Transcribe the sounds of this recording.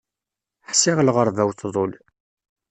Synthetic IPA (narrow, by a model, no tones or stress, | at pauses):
ħsɪʁlʁəɾˤvæwθðˤoʊl